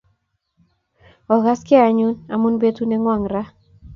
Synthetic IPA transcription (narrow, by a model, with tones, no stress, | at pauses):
ɔ˨ɣa˦skɪ˦a˨ɲu˦na˨mu˦nbe˦tu˦ne˦ŋwa˨ŋɾa˦